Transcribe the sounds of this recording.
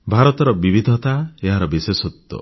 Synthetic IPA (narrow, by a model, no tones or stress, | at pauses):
bʱaɾɔt̪ɔɾɔbibid̪ʱɔt̪aeɦaɾɔbisesɔt̪ːɔ̰